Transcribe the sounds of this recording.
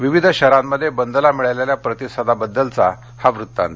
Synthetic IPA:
ʋiʋid̪ʱəɕəɾamːəd̪ʱːjebənd̪əlamiɭajleljapɾət̪isəd̪ʱabəd̪ːəlt͡sa | haʋɾut̪ːã̰nt̪

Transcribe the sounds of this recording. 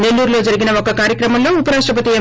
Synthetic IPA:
nelːuːɾlo̞ːd͡ʒɐɾiɡinɐɔkːɐkaːɾjɐkɾɐmɐmlo̞ːupɐɾaːʂʈɾɐpɐt̪iɐ

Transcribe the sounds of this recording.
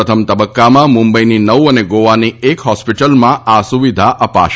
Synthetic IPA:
ət̪ʰəmt̪əbəkːamãmũmbəininəʋəneɡoʋaniekɦɔspiʈəlmãʔasuʋid̪ʱaʔəpa̰ʃ

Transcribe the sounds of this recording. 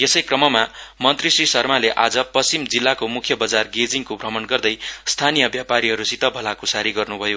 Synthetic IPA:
jesʌjkrʌmʌmamʌnt̪risrisʌrmaleʔad͡zʌpʌsimd͡zilːakomukʰjʌbʌd͡zarɡed͡ziŋkobʱrʌmʌnɡʌrd̪ʌjst̪ʰanijʌbjapaɾiɦʌɾusit̪ʌbʱʌlakosaɾiɡʌrnubʱʌjo

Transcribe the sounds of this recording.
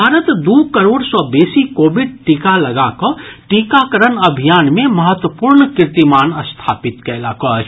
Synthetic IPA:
bʱaːɾət̪d̪uːkəɾoːɽsɔːbeːsikoːbɪɖʈiːkalɐɡakɔʈiːkakəɾənɐbʱijaːnmẽmɐɦət̪wəpuːɾɳkɪɾt̪imaːnəst̪ʰaːpɪt̪kɛːlaːkɔ

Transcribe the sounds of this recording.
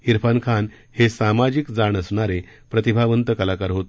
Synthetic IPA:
iɾpʰankʰan | hesamad͡ʑikd͡zaɳəsɳaɾe | pɾət̪ibʱaʋənt̪əkəlakaɾɦot̪

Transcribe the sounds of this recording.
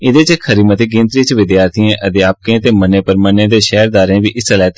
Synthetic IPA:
ɪd̪eːt͡ʃkʰəɾiːmət̪eːɡɪ̃nt̪ɾiːt͡ʃʋɪd̪jaːɾt̪ijẽːʔəd̪jaːp̚kẽːt̪eːmənːeːpəɾmənːeːd̪eːʃɛːɾd̪aːɾẽːʋiːʔɪsəlaːt̪

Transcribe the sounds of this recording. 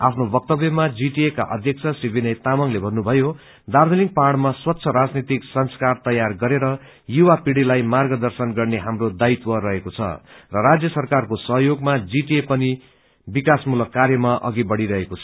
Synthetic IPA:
a̰pʰnobʌk̚t̪ʌbjʌmad͡ziʈieka̰ʔʌ̰d̪ʱjʌk̚t͡sʰʌsribʱinʌjt̪amʌŋlebʱʌnːubʱʌjo | d̪ard̪ʱʌliŋ̚parɽmaswʌt̪ːsʰʌɾad͡znit̪iksʌnskart̪ʌjarɡʌɾeɾʌ | juwapiɽilajmarɡʌd̪ʌrsʌnɡʌrneɦamrod̪ait̪wʌrʌɦekot͡sʰʌ̰rʌɾad͡zjʌsʌrkarkosʌɦjoɡmad͡ziʈiepʌni | bikasmulʌkːaɾjʌmaʔʌ̰ɡibʌɽiɾʌɦekot͡sʰʌ

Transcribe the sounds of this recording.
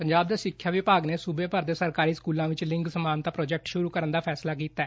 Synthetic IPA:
pəɲd͡ʒaːb̚d̪eːsɪkʰːjaːʋɪpaːɡneːsubeːpəɾd̪eːsəɾkaːɾiːskuːlãːʋɪt͡ʃlɪ̃ŋɡsəmaːnt̪aːpɾoːd͡ʒɛk̚ʈʃʊɾuːkəɾənd̪aːpʰɛːslaːk̬iːt̪aɛː

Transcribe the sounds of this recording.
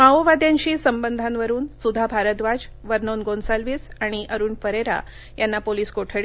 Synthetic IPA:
maoʋad̪jãɲt͡ɕiːsəmbənd̪ʱanʋəɾuːnsud̪ʱːabʱaɾət̪ʋad͡ʑ | ʋəɾnonɡonsalʋiːsaɽ̃iʔəɾuːnfəɾeɾa̰ | janːapoliːskoʈʰəɭ

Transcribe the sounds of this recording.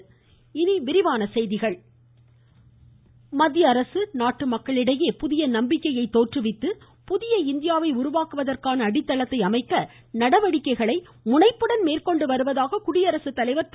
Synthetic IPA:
ɪniʋɪɾɪʋaːnɐsɛjðɪɣɐɭ | mɐd̪jɐːɾɐsɯnaːʈːɯmɐkːɐɭɪɽɐjeːpʊðɪjɐnɐmbɪkːɐjɐɪt̪ːoːʈrɯʋɪt̪ːɯ | pʊðɪjɐɪnd̪ɪjaːʋɐɪʊɾʊʋaːkɯʋɐðɐrkaːnɐːɽɪt̪ːɐɭɐt̪ːɐɪɐmɐɪkːɐ | nɐɽɐʋɐɽɪkːɐɪɣɐɭɐɪ | mʊnɐɪpːɯɽɐnmeːrkɔɳɖɯʋɐɾɯʋɐðaːɣɐkʊɽɪjɐɾɐsɯt̪ːɐlɐɪʋɐɾt̪

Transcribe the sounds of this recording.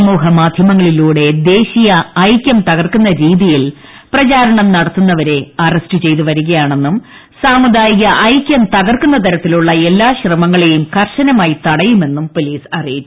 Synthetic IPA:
muːɦɐmaːd̪ʱjɐmɐŋːɐɭiluːɽe̞d̪e̞ːɕijɐɐjkʲjɐmt̪ɐɣɐrkunːɐɾiːðijil | prɐt͡ɕaːɾɐɳɐmnɐɽɐt̪ːunːɐʋɐɾe̞ɐrestɨt͡ɕe̞jt̪uʋɐɾuɣɐjaːɳe̞nːum | saːmud̪aːjiɣɐʔɐjkʲjɐmt̪ɐɣɐrkunːɐt̪ɐɾɐt̪ːiluɭːɐe̞lːaːɕrɐmɐŋːɐɭe̞jumkɐrʂɐnɐmaːjit̪ɐɽɐjume̞nːumpo̞liːsɐrijit͡ɕːu

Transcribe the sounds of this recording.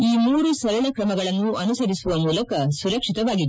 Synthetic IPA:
iːmuːɾusɐɾɐɭɐkɾɐmɐɡɐɭɐnːuɐnusɐɾisuʋɐmuːlɐkɐsuɾɐkʂit̪ɐʋaːɡid̪

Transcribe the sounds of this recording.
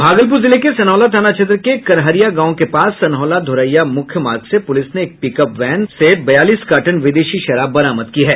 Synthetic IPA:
bʱaːɡəlp̬uɾzɪlekesɐnɦɔːlat̪ʰaːnat͡ʃɐd̪ɾəkekɐɾɦəɾijaɡãːõkepaːsːɐnɦɔːlad̪ʱʊɾəjːamʊkʰjəmaːɾɡsepʊlɪsneːk̚pikəpʋɛːnsebɐjaːliːskaːʈənʋɪd̪eːʃiʃɐɾaːbːɐɾaːməd̪kiɦɛː

